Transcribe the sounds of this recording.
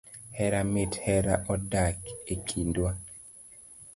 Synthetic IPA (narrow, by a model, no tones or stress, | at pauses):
hɛɾamɪthɛɾa̰ʔɔdakekʰindwa